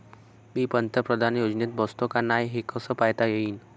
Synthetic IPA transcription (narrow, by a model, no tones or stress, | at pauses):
bipənt̪əpɾəd̪ʱanjod͡ʒnet̪̚bɔst̪okanajɦekəsəpajt̪ajəiːn